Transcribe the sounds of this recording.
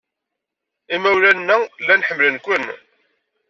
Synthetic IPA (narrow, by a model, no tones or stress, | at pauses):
imæwɾænːælːænħəmːlənkʷːən